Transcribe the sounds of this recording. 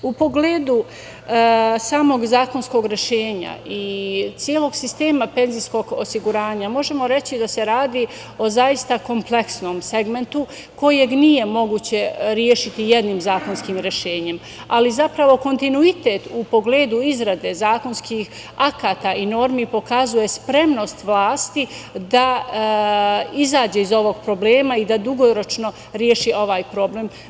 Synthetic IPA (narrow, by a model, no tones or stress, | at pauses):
upo̞ɡleːd̪u | saːmo̞ɡzaːko̞nsko̞ɡɾe̞ʃeːɲa̰it̪sjeːlˠo̞ɡsist̪e̞ːmape̞nzijsko̞ɡo̰siɡuɾaːɲamo̞ʒe̞mo̞ɾe̞t͡ɕid̪ase̞ɾaːd̪iː | o̞zaist̪ako̞mple̞ksno̞ːmse̞ɡme̞nt̪u | ko̞jeɡnije̞mo̞ɡuːt͡ɕe̞ɾjeːʃit̪ije̞d̪niːmzaːko̞nskiːmɾe̞ʃe̞ːɲe̞m | alizapɾaʋo̞ko̞nt̪inuit̪eːt̪upo̞ɡleːd̪uizɾad̪e̞zaːko̞nskix | akaːt̪aino̞ɾmipo̞kazuje̞spɾe̞mno̞st̪ʋlˠaːst̪i | d̪a | izaːd͡ʑeizo̞ʋo̞ɡpɾo̞bleːmaid̪ad̪uɡo̞ɾo̞t͡ʃno̞ | ɾjeʃiʔo̞ʋaːjpɾo̞bleːm